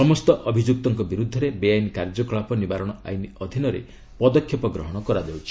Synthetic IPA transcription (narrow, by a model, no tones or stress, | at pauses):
sɔmɔst̪ɔʔɔbʱid͡ʒuk̚t̪ɔŋkɔbiɾud̪ʱːɔɾebejajnikaɾd͡ʒɔkɔɭapɔnibaɾɔɽ̃ɔa̰jniɔd̪ʱinɔɾḛ | pɔd̪ɔkʰːjɔpɔɡɾɔɦɔɽ̃ɔkɔɾad̪ewt͡ʃʰi̥